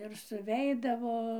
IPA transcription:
ɪr sʊˈʋʲɛɪdɐʋoː

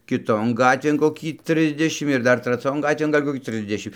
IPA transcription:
kʲɪˈtoːn ˈɡɑːtʲʋʲeːn koːˈkʲiː ˈtʲrʲɪzʲdʲɛʃʲɪm ɪr ˈdɐr trɐˈt͡sʲoːn ˈɡɑːtʲʋʲeːn ɡɐlʲ koːˈkʲiː ˈtʲrʲɪzʲdʲɛʃʲɪm

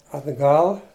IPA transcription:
ɐdˈɡɐlˠ

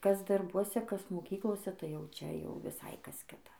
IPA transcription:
ˈkɐs dɐrˈbuɔsʲɛ ˈkɐs moːˈkʲiːklˠoːsʲɛ tɐɪ ˈjɛʊ ˈt͡ʃʲɛ jɛʊ ʋʲɪˈsɐɪ ˈkɐs ˈkʲɪtɐ

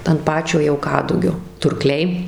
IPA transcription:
ɐnt ˈpɑːt͡ʃʲoː jɛʊ ˈkɑːdʊɡʲoː tʊrˈklʲɛɪ

